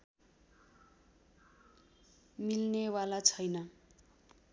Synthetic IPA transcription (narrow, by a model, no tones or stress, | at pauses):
milnewalat͡sʰʌjnʌ